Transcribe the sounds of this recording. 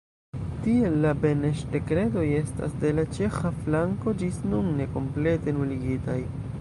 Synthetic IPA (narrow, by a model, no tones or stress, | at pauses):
tie̞lːabe̞neʃde̞kɾe̞do̞je̞sta̰sde̞lat͡ʃe̞xaflaŋko̞d͡ʒisnunːe̞ko̞mple̞te̞nuliɡitaj